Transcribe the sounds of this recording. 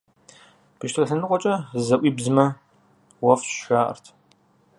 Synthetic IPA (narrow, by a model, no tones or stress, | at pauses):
b̥ɨʃtʰʼɐɬɐnɨqʷʼɔt͡ʃʼɐzɐʔʷiːbzɨmɐ | wɐfʃaːʔɐ̰rtʰ